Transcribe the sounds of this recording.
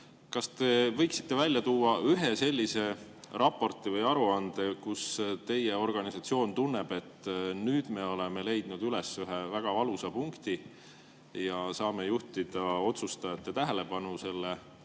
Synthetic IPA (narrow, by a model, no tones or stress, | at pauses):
kɑst̪e̞vɤ̞jksi̥t̪ːe̞vælʲjɑt̪uːɑyɦe̞se̞lʲːise̞rʔɑpːo̞rt̪ːˑivɤjɑɾuɑnd̪̥ekust̪e̞jːeo̞rɡ̥ɑnisɑt̪sio̞ːnt̪unːe̞b̥e̞t̪ːˑnyːd̪̥me̞o̞leme̞le̞jd̪̥nud̪ylesyɦevæɡ̥ɑvɑlusɑpuŋkt̪i | jɑsɑːmejuht̪id̪̥ɑo̞t̪sust̪ɑɑt̪ːet̪æɦe̞le̞pɑnuse̞lːe